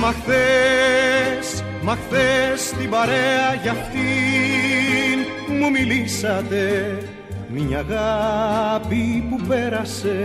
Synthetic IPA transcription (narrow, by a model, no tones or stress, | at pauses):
makθe | s | makθest̪ibaɾeaʝaft̪i | n | mumilisat̪e | miɲaɣa | pipupeɾase